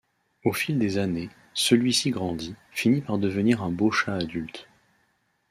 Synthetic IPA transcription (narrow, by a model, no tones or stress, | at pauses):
ofild̪ezane | səlɥisiɡʁɑ̃d̪ifinipaʁd̪əvəniʁɛ̃boʃaːd̪ylt̪